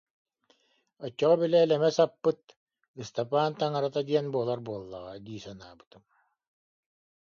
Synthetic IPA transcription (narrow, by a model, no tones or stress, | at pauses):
ɔt͡ɕːɔʁɔbilɛːlɛmɛsapːɯt̪̚ | ist̪ɔpaːnt̪aŋaɾat̪ad̪iɛnbuɔlˠaɾbuɔlˠːa̰ʁad̪iːsanaːbɯ̥t̪ɯm